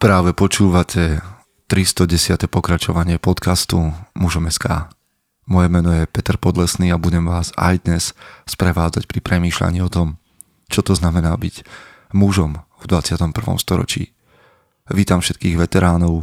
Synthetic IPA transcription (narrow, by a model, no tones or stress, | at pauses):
pɾaːʋɛpɔt͡ʃuːʋacʰɛ | t̪ɾist̪ɔɟɛsɪat̪ɛpɔkɾat͡ʃɔʋaɲɪɛpɔt̪kast̪umuʒɔmɛska̰ː | mɔjɛmɛnɔjɛpɛt̪ɛɾpɔd̪lɛsniːabuɟɛmʋaːza̰jd̪ɲɛsspɾɛʋaːd͡zacpɾipɾɛmiːʃla̰ɲiːɔt̪ɔm | t͡ʃɔt̪ɔznamɛnaːbiɟ | muʒɔmvd̪ʋat͡sɪat̪ɔmpr̩ʋɔ̰mst̪ɔɾɔ̰t͡ʃḭː | ʋiːt̪amfʃɛt̪̚kiːɣʋɛt̪ɛɾaːnɔʊ